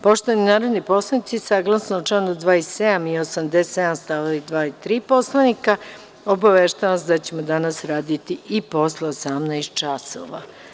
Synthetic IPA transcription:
po̞ʃt̪oaninaːɾod̪nipo̞slˠanit̪sisaɡlˠasnout͡ʃlaːnud̪ʋaːised̪amiosamd̪esed̪anst̪aʋaid̪ʋaːit̪ɾiːpo̞slˠanika | o̞baʋeʃt̪aʋasd̪at͡ɕe̞mod̪anasɾaːd̪it̪iipo̞sleosamnajst̪̚t͡ʃaso̰ʋa̰

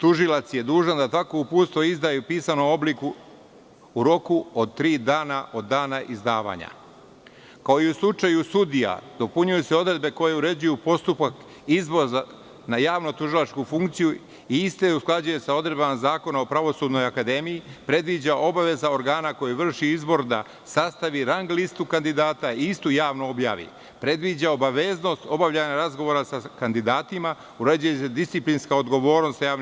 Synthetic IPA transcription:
t̪uʒilˠat̪sje̞d̪uːʒad̪at̪akoupuːt̪st̪ʋoizd̪aːjupiːsanomo̞blikuː | ɾo̞kuod̪̚t̪ɾiːd̪aːnaʔo̞d̪ːaːnaʔizd̪aːʋa̰ːɲa̰ | kao̞iuslˠut͡ʃajusud̪ija̰d̪̥o̞puɲujuseo̞d̪ɾe̞d̪̚be̞ko̞jeuɾe̞d͡ʑujupo̞st̪upak | izʋo̞za | najaːʋnot̪uʒilˠat͡ʃkufuŋkt̪siju | iist̪eusklˠad͡ʒuje̞sao̞d̪ɾed̪bamazaːko̞naopɾaʋo̞suːd̪no̞jakad̪e̞mijipɾe̞d̪ʋiːd͡ʑaʔo̞baʋe̞zao̞ɾɡaːnako̞jiʋr̩ʃiizbo̞ɾd̪a̰ | sast̪aʋiɾaŋɡlist̪ukand̪id̪aːt̪aiist̪ujaːʋnoo̞bja̰ːʋḭ | pɾe̞d̪ʋiːd͡ʑao̞baʋe̞ːzno̞st̪o̞baʋʎaɲaɾazɡo̞ʋo̞ɾasakand̪id̪aːt̪ima | uɾe̞d͡ʒujesed̪ist̪siplinskao̞d̪ɡo̞ʋo̞ːɾno̞st̪jaːʋn

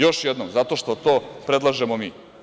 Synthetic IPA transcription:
jo̞ʃjed̪nomzat̪o̞ʃt̪ot̪oːpɾed̪lˠaʒemomiː

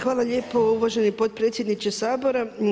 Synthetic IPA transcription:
xʋaːlˠaʎe̞ːpo̞uʋaʒe̞nipo̞t̪̚pɾe̞ːt̪sʲje̞d̪nit͡ʃesaːbo̞ɾa

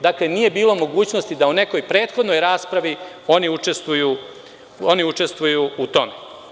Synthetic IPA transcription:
d̪akle̞nije̞biːlo̞mo̞ɡuːt͡ɕno̞st̪id̪aune̞ko̞jpɾe̞ːt̪xo̞d̪no̞jɾaːspɾaʋi | o̞niut͡ʂe̞st̪vuju | oniut͡ʂe̞st̪ʋujuut̪o̞me

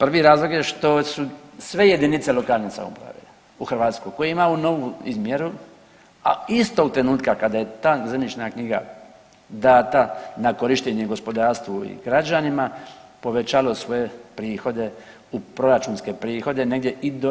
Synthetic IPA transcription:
pr̩ʋiɾaːzlˠo̞ɡje̞ʃt̪o̞susʋe̞je̞d̪init̪se̞lo̞kaːlnesa̰mo̰pɾa̰ʋje | uxɾrʋaːt̪sko̞jko̞jeimauno̞ʋuizmje̞ɾu | a̰ist̪o̞t̪ɾe̞nuːt̪kakad̪aje̞t̪aːzemnit͡ʃnakɲiɡa̰ | d̪aːt̪anako̞ɾiʃt̪eɲeɡo̞spo̞d̪aːɾst̪ʋuḭɡɾad͡ʒanimapo̞ʋe̞t͡ʃalo̞sʋo̞je̞pɾiːxo̞d̪e̞ | upɾo̞ɾat͡ʃuːnske̞pɾiːxo̞d̪e̞ne̞ɡd̪je̞ʔid̪o

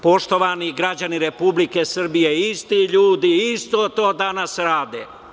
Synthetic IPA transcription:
po̞ʃt̪o̞ʋaniɡɾad͡ʑaniɾepublikesr̩bijeist̪iʎuːd̪iist̪o̞t̪o̞ːd̪anasɾaːd̪e

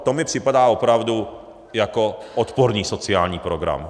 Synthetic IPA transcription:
t̪o̞mɪpr̝̥ɪpadaːopɾavdu | jako̞ʔot̪poɾɲiːso̞t͡sɪaːlɲiːpɾoɡɾa̰m

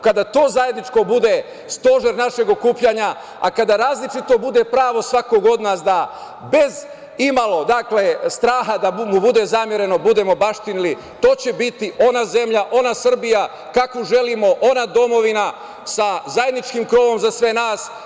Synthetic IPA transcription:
kad̪at̪o̞ːzajed̪nit͡ʃko̞bud̪e̞ | st̪o̞ʒeɾnaʃe̞ɡo̞kuːpʎaːɲa | akad̪aɾaːzlit͡ʃit̪o̞bud̪e̞pɾaːʋo̞sʋako̞ɡo̞d̪naːs̬d̪a | be̞z | imalˠo̞d̪akle̞st̪ɾaːɦad̪amubud̪e̞zamjeɾe̞no̞bud̪e̞mo̞baʃt̪inili | t̪o̞ːt͡ɕe̞bit̪iʔo̞naze̞mʎaʔo̞nasr̩bija | kakʋoʒe̞limo̞ʔo̞nad̪o̞mo̞ʋina | sazajed̪nit͡ʃkimkɾo̞ːʋo̞mzasʋe̞naːs

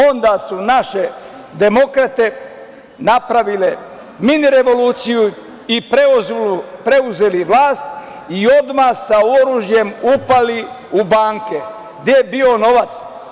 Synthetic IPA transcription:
o̞nd̪aːsunaʃe̞ | d̪e̞mo̞kɾat̪e̞ | napɾaʋile̞ | miniɾe̞ʋo̞luːt̪siju | ipɾe | pɾe̞uze̞liʋlaːst̪ | io̞d̪masao̞ɾuːʒje̞mupali | ubaːŋke | ɡd̪ejebio̞no̞ʋat̪s

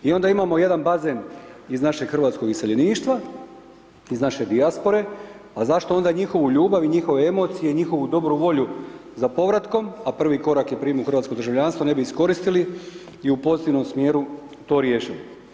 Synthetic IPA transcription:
io̞nd̪aimaːmo̞je̞d̪anbaze̞niznaʃe̞ɡxr̩ʋaːt̪sko̞ɡiseʎe̞niːʃt̪ʋa | iznaʃe̞d̪iaspo̞ɾe̞ | azaʃt̪o̞o̞nd̪aɲixo̞ʋuʎuːbaʋiɲixo̞ʋe̞emo̞t̪sije̞iɲixo̞ʋud̪o̞bɾuʋo̞ʎuzapo̞ʋɾat̪ko̞mapr̩ʋiːko̞ɾakjepɾiːmuxr̩ʋaːt̪sko̞d̪ɾrʒaʋʎʲanst̪ʋo̞ne̞biːsko̞ɾist̪ili | iupo̞zit̪iʋno̞msmje̞ːɾu | t̪o̞ːɾjeːʃili

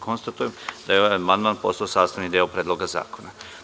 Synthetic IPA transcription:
kʰo̞nst̪at̪ujemd̪ajeoʋamand̪maːnpo̞saosaːsaʋnid̪eopɾeːd̪lˠo̞ɡaza̰ːko̞na

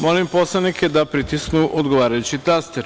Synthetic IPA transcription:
mo̞limpo̞slˠanikʰed̪apɾit̪isknuʔod̪ɡoʋaːɾajut͡ɕit̪ast̪eɾ

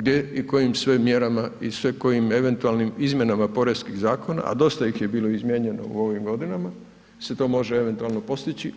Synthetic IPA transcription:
ɡd̪jeiko̞jimsʋemːje̞ɾamaisʋeko̞jime̞ʋe̞nt̪ualnimizmje̞namapo̞ɾeskiɣzaːko̞na̰ʔa̰d̪o̞st̪ajixje̞biːlˠo̞izmje̞ːɲe̞no̞̰ṵo̞ʋimɡo̞d̪inama | se̞t̪o̞ːmo̞ʒee̞ʋe̞nt̪uaːlˠno̞po̞st̪it͡ɕi

